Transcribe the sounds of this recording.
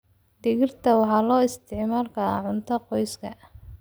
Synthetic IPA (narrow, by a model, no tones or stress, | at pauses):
d̪ɪɣɪrt̪ʰɐwɑħɑːlɔːɪst̪ʰɪʕmaːlkʰɐa̰ʕʊnt̪ʰɔqɔjskʰɐ